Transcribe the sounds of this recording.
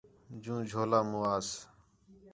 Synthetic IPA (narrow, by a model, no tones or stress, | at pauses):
d͡ʒũːd͡ʒʱoːlaːmuːaːs